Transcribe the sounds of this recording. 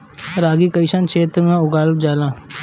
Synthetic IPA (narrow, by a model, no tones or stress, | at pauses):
ɾaːɡikəɪʃənt͡ʃʰeːt̪ɾmẽʊɡaːlb̚d͡ʒaːlãː